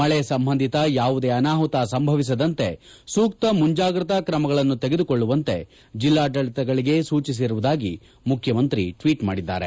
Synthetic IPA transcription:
mɐɭɛsɐmbʱɐnd̪ʱit̪ɐjaːʋud̪e̞ɐnaːɦut̪asɐmbʱɐʋis̬ɐd̪ɐnt̪e̞ | suːkt̪ɐmuɲd͡ʒaːɡɾut̪ɐkɾɐmɐɡɐɭɐnːut̪eɡe̞d̪ukoɭːuʋɐnt̪e̞ | d͡ʒilːaːʈɐɭit̪ɐɡɐɭiɡesuːt͡ʃis̬iɾuʋud̪aːɡi | mukʰjɐmɐnt̪ɾiʈʋiːʈma̰ːɽid̪ːa̰ːɾe̞̰

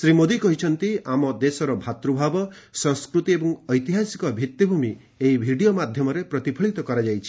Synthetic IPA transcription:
sɾimod̪ikɔɦit͡ʃʰɔnt̪iamɔd̪esɔɾɔbʱat̪ɾubʱabɔ | sɔŋskɾut̪iebɔŋɔjt̪iɦasi̥kɔbʱit̪jibʱumi | eɦibʱiɽijomad̪ʱjɔmɔɾepɾɔt̪ipʰɔɭit̪ɔkɔɾad͡ʒajt͡ʃʰi̥

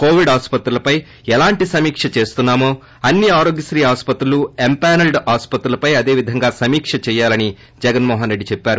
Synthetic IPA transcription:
ko̞ːʋiɖaːspɐt̪ɾulɐpɐj | ɛlaːɳʈisɐmiːkʂɐt͡ʃe̞ːst̪unːaːmoː | ɐnːiaːɾoːɡjɐsɾiːɦaːspɐt̪ɾɐluempaːnɐlɖaːspɐt̪ɾulɐpɐjɐd̪e̞ːʋid̪ʱɐŋɡaːsɐmiːkʂɐt͡ʃɛːjaːlɐni | d͡ʒɛɡɐnmɔːɦɐnɾe̞ɖːit͡ʃɛpːaːɾu

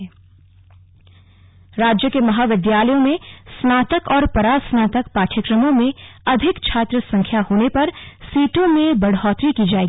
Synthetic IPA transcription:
ɾaːd͡ʒjəkemɐɦaːʋɪd̪ʱjaːləjõmẽsnaːt̪əkɔːɾpɐɾaːsnaːt̪əkpaːʈʰəkɾəmõmẽɐd̪ʱɪkt͡ʃʰaːt̪ɾəsɐ̃ŋkʰjahoːnepɐɾsiːʈõmẽbɐɽɔːt̪ɾikid͡ʒaːeːɡi

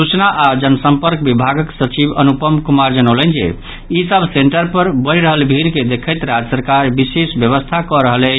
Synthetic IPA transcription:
sut͡ʃnaʔad͡ʒənəsəmpəɾk̚bibʱaɡəksət͡ʃibə̰nupəmkumaɾd͡ʒənələnd͡ʒḛ | isəbʱseɳʈəɾpəɾbəɾiɾəɦəlbʱiɾked̪ekʰəjt̪ɾad͡ʒəsəɾkaɾbisesbjəβəst̪ʰakɔɾəɦəlɛt͡ʃ

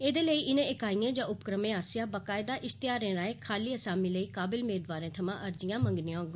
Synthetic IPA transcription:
eːd̪eːləiːʔɪnẽːɪkaːiːãːd͡ʒãːʊpkɾəmẽːaːsɪjãːbəkaːɪd̪aːʔɪst̪ɪjaːɾẽːɾaːeːkʰaːliːəsaːmiːləiːkaːbɪlmeːd̪ʋaːɾẽːt̪ʰəmãːʔəɾd͡ʒɪjãːməŋɡnĩjãɡ

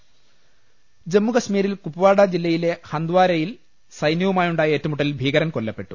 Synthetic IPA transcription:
d͡ʑe̞mːukɐɕmiːɾilkupːuʋaːɽɐd͡ʑilːɐjile̞hɐnd̪ʋaːɾɐjil | sɐjnjɐʋumaːjuɳɖaːjɐe̞ːtːɐmuʈːɐlibʱiːɣɐɾɐnko̞lːɐpːe̞ʈːu

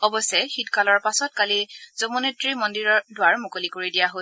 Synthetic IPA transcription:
ɔbɔsɛxitkalɔɹpasɔt̚kaliz̥ɔmonetɹimɔndiɹɔdʊwaɹmʊkolikoɹidijaɦo

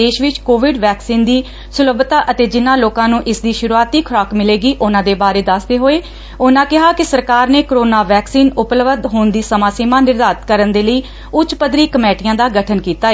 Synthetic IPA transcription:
eːʃʋɪt͡ʃkoːʋɪɖʋɛːksiːnd̪iː | sʊləbt̪aːʔət̪eːd͡ʒɪnãːloːkãːnũːʔɪsd̪iːʃʊɾuaːt̪iːkʰʊɾaːkmɪleːɡiːʔʊnãːd̪eːbaːɾeːd̪asd̪eːɦoːeː | ʊnãːkɪɦaːkɪsəɾkaːɾneːkɾoːnaːʋɛːksiːnʊpləʋəd̪ɦoːnd̪iːsəmãːseːmãːnɪɾd̪aːt̪kəɾənd̪eːləiː | ʊt͡ʃpəd̪ɾiːkəmɛːʈɪjãːd̪aːɡəʈʰənkiːt̪aːe

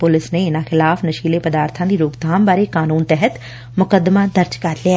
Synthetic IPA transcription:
pʊlɪsneːɪnãːxɪlaːfnəʃiːleːpəd̪aːɾt̪ʰãːd̪iːɾoːɡd̪aːmbaːɾeːkaːnuːnt̪ɛɦət̪ | mʊkəd̪maːd̪əɾd͡ʒkəɾliɛː

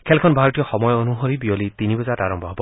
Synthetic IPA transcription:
kʰelkʰɔnbʱaɾɔt̪ijɔxɔmɔjɔonuɦoɾibiolit̪inibɔzataɾɔmbʱɔɦɔbɔ

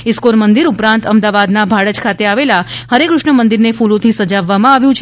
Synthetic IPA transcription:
ɪskoɾmənd̪iɾupɾãnt̪əmd̪aʋad̪nabʱaɽəd͡ʒkʰat̪eaʋelahəɾekɾʊʂɳəmənd̪iɾnefulõt̪ʰisəd͡ʒaʋːamãaʋjũt͡ʃʰ

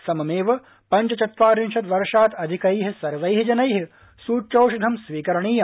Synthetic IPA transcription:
sɐmɐmeːʋɐ | pɐɲt͡ʃɐt͡ʃɐt̪ʋaːɾinʃɐt̪ʋɐɾʂaːt̪ɐd̪ʱikɐiɦisɐɾʋɐjɦid͡ʒɐnɐjɦi | suːt͡ʃɐwʃɐd̪ʱɐmsʋiːkɐɾɐɳiːjɐ

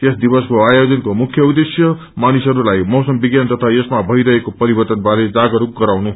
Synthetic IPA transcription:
t̪esd̪ibʌskoajod͡zʌnkomukʰjʌud̪esjʌ | manisɦʌɾulajmʌwsʌmbiɡjant̪ʌt̪ʰaesmabʱʌiɾʌɦekopʌɾibʌrt̪ʌnbaɾed͡zaɡʌɾuk̚ɡʌɾawnu

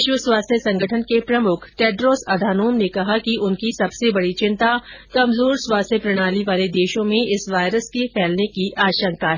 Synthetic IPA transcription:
ʃwəswaːst̪ʰjəsɐ̃ŋɡʱəʈʰənkepɾɐmʊkʰʈɛːɖɾoːsɐd̪ʱaːnoːmnekɐɦakiʔʊnkisɐbsebɐɽit͡ʃɪ̃nt̪akɐmzoːɾswaːst̪ʰjəpɾɐɽ̃aːliʋaːled̪eːʃõmẽɪsʋaːɪɾəskepʰɛːlnekiʔaːʃə̃ŋkaɦɛ

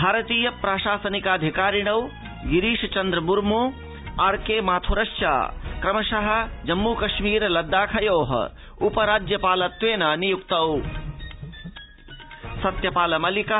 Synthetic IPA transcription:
bʱaːɾɐt̪iːjɐpɾaːʃaːsɐnikaːd̪ʱikaːɾiɽɐw | jiɾiːʃɐt͡ʃɐnd̪ɾɐmuɾmo | ɐɾkeːmaːt̪ʰoɾɐʃt͡ʃa̰ːkɾɐmɐʃɐɦɐ̆d͡ʒɐmːukɐʃmiːɾlɐd̪ːaːkʰɐjoːɦɐ̰ | upɐɾaːd͡ʒjɐpaːlɐt̪ʋeːnanijukt̪ɐw | sɐt̪jɐpaːlɐmɐlika

